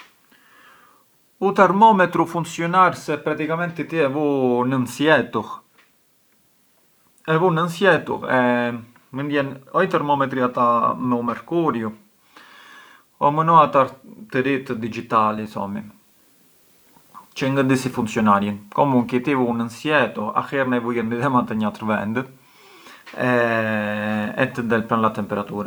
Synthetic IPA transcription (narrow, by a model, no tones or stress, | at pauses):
ut̪ɛɾmɔmɛt̪ɾufunsjɔnaɾsɛpɾat̪ikamɛnt̪it̪iɛvunənsjɛt̪u | ɛvunənsjɛt̪ṵɛ | mənd̪jɛnɔit̪ɛɾmɔmɛt̪ɾiat̪anumɛɾkuɾju | ɔmənɔat̪aɾt̪əɾit̪d̪id͡ʒit̪alisɔ̰mi | t͡ʃɛŋɡəd̪isifuntsjɔnaɾjinkɔmuŋkit̪ivunənsjɛt̪ua̰xɛɾnɛvujəniðɛmat̪ɛɲat̪ɾvɛ̰nd̪ə | ɛ | ɛ̰t̪əd̪ɛlpɾanlat̪ɛmpɛɾat̪uːɾa